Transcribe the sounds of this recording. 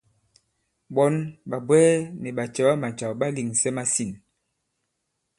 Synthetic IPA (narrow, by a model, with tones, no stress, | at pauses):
ɓɔ˦nɓa˨bwɛː˦nɛ˨ɓa˨t͡ʃɛ˨˦a˦ma˨n˨t͡ʃa˨ɓa˦li˨ŋsɛ˦ma˦si˨n